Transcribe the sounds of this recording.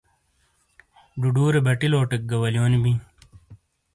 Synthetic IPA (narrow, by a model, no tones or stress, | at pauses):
ɖuɖuːɾebɐʈiloːʈek̚ɡɐwɐljoːnibi